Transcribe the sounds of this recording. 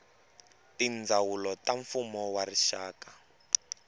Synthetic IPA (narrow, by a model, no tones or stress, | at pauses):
tind͡zawulɔtaɱfumɔwariʃaːka